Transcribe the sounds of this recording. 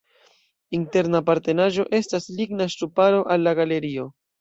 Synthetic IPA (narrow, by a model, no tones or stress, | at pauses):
inte̞ɾnapaɾte̞naʒo̞ʔe̞stasliɡnaʃtɾupaɾo̞ʔalːaɡale̞ɾio̞